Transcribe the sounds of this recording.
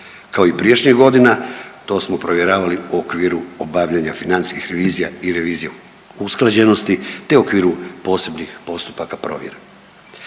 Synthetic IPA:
kaoipɾijeʃɲiɡo̞d̪inat̪o̞ːsmo̞pɾo̞ʋjeɾaːʋaliuokʋiːɾuobaʋʎaɲafinant̪iskixɾe̞ʋiːzijaiɾe̞ʋiːzije | usklˠad͡ʑe̞no̞st̪it̪euokʋiːɾupo̞ːse̞bnixpo̞st̪u̥pakapɾo̞̰ːʋjeɾa

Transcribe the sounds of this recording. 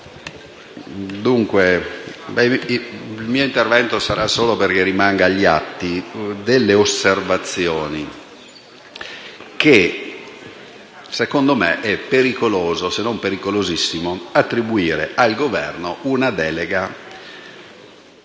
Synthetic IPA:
d̪uŋkwebɛ | lmiːoint̪ervɛnt̪osaɾasːoːloperkerimaŋɡaʎːia̰t̪ːid̪elːeoservat̪sːjɔːni | ke | sekond̪omḛʔɛpːeɾikoloːzosenompeɾikolozisːimoat̪ːɾibuiːɾeʔalɡovɛ̰rnounad̪ɛːleɡa

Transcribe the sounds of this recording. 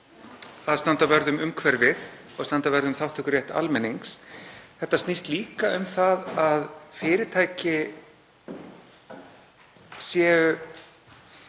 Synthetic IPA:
aðst̪ant̪avɛɾðʏmʏmkʰvɛɾvɪð | ɔɣst̪ant̪avɛɾðʏmθawht̪ʰʏhkʏɾrjɛht̪a̰lmɛnːiŋksθɛht̪ːast̪nist̪liːkaʏmθaðaðfɪːɾɪt̪ʰaːjcɪ | sjɛːʏ

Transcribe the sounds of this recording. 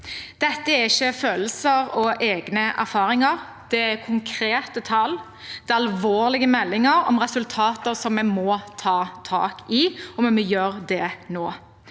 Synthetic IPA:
d̪̥ɛt̪ːəæɾɪçːəføːləsəɾɔʔeːɡnəʔæ̰ɾfɑːɾɪŋəɾ | d̪̥ɛækʰʊŋkʰɾeːt̪ət̪ʰɑl | d̪̥ɛɑlʋoːɾlɪɡəmɛlːɪŋəɾɔ̰mʁɛsʉlt̪ʰɑːt̪əɾsɔmːɛmɔt̪ʰɑːt̪ʰɑ̰ːkɪɔmmɛjøːɾd̪ɛnoː

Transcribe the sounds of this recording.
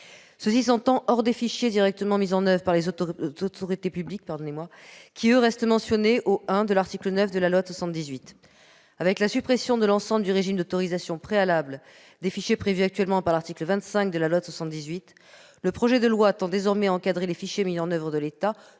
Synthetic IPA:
səsis̬ɑ̃t̪ɑ̃ʔɔʁd̪efiʃjed̪iʁɛk̚t̪əmɑ̃mizɑ̃nœvʁəpaʁlezot̪ɔʁit̪epyblik̚paʁd̪ɔnemwakʲiøʁɛst̪mɑ̃sjɔneʔoɛ̃d̪əlaʁt̪iklənœfd̪əlalwaswasɑ̃t̪̚d̪izɥit̪ | avɛklasypχesjɔ̃d̪əlɑ̃sɑ̃bləd̪yʁeʒimd̪ot̪ɔʁizasjɔ̃pχealabl | d̪efiʃjepχevyak̚t̪ɥɛlmɑ̃paʁlaʁt̪ikləvɛ̃t̪sɛ̃k̚d̪əlalwaswasɑ̃t̪̚d̪izɥit̪ | ləpχɔʒɛd̪əlwat̪ɑ̃d̪ezɔʁmɛaɑ̃kad̪ʁelefiʃjemizɑ̃nœvʁəd̪əlet̪a

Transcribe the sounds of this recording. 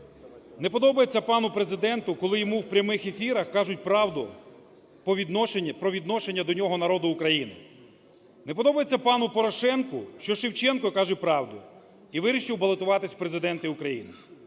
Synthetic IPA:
nepɔd̪ɔbɐjet͡sʲːɐpɑnʊpɾezɪd̪ɛnt̪ʊkɔlˠɪjɔmuwpɾʲɐmɪxefʲiɾɐxkɑʒʊt̚ʲpɾɑwd̪ʊ | pɔʋʲid̪ʃʲpɾɔʋʲid̪nɔʃenʲːɐd̪ɔnʲɔɦɔnɐɾɔd̪ʊːkɾɐjinɪ̰ | nepɔd̪ɔbɐjet͡sʲːɐpɑnʊpɔɾɔʃɛnkʊ̰ʃt͡ʃɔʃɪwt͡ʃɛnkɔkɑʒʊt̚ʲpɾɑwd̪ʊ | iʋɪɾʲiʃɪwbɐlˠet̪ʊʋɑt̪ɪsʲpɾezɪd̪ɛnt̪ɪʊkɾɐjḭnɪ

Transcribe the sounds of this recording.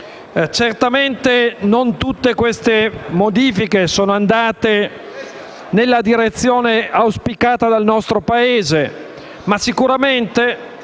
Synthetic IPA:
t͡ʃert̪ament̪enont̪ut̪ːekwest̪emod̪iːfikesoːnoand̪aːt̪e | nelːad̪iɾet̪sːjoːneawspikaːt̪ad̪alnɔst̪ɾopaeːze | masikuɾament̪e

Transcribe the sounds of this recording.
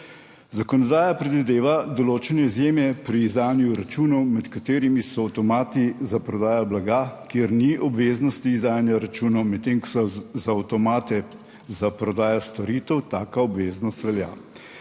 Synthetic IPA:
zakɔnɔd̪aːjapɾɛd̪ʋid̪eːʋad̪ɔloːt͡ʃɛnɛizjeːmjɛpɾiːzd̪aːnjuɾat͡ʃuːnɔwmɛt̪kat̪eːɾimisɔːwt̪ɔmaːt̪izapɾɔd̪aːjɔblaɡakjeɾniʔɔbʋeːznɔst̪iːzd̪aːjanjaɾat͡ʃuːnɔwmɛt̪ːeːŋkɔ̥sɔzaːwt̪ɔmaːt̪ɛ | zapɾɔd̪aːjɔst̪ɔɾiːt̪ɛwt̪aːkaɔbʋeːznɔst̪ʋɛlja̰ː

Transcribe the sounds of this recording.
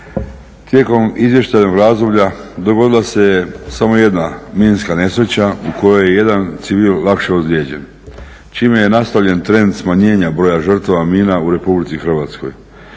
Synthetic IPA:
t̪je̞ko̞mizʋje̞ʃt̪ajno̞ɡɾazd̪o̞blʎad̪o̞ɡo̞d̪ilˠase̞jesamo̞je̞d̪namiːnskane̞sɾe̞t͡ɕauko̞joje̞je̞d̪ant̪siʋiːllakʃeozlʲjed͡ʑe̞n | t͡ʃiːmeje̞nast̪aʋʎe̞nt̪ɾe̞nd̪smaɲe̞ːɲabɾojaʒr̩t̪aʋamiːnauɾe̞publit̪sixr̩ʋat̪sko̞̰j

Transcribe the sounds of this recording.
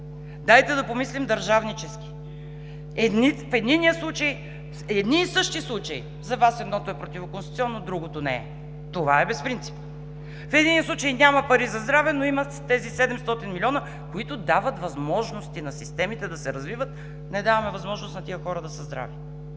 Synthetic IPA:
d̪ajt̪ɛd̪ɐpomislimd̪ɐɾʒavnit͡ʃɛski̥ | ɛd̪nifɛd̪niniəslˠut͡ʃəj | ɛd̪niːsɤʃt̪islˠut͡ʃɐḭ | zɐvasɛd̪nɔt̪oɛpɾot̪ivokonst̪it̪iɔnːod̪ɾuɡot̪onɛɛ | t̪ovaɛbɛspɾint̪si̥p | fɛd̪iniəslˠut͡ʃəjnʲamɐpɐɾizɐzd̪ɾavɛnoimɐ | t̪ɛzisɛd̪ɛmst̪ɔt̪inmilʲɔnə | koit̪ʊd̪avət̪vɐzmɔʒnost̪inɐsist̪ɛmit̪ɛd̪ɐsɛɾɐzvivət̪ | nɛd̪avɐmɛvɐzmɔʒnost̪nɐt̪ijəxɔɾəd̪ɐsɐzd̪ɾa̰vi

